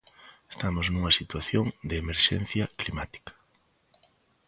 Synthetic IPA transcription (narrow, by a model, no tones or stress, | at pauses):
est̪amoznuŋɐsit̪waθjoŋd̪eːmeɾʃɛ̰n̟θjɐklimat̪i̥kɐ̥